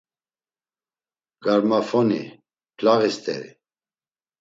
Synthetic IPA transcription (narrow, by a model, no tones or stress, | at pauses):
ɡ̥aɾmafɔnḭ | pʰlaɣist̪ɛ̰ɾḭ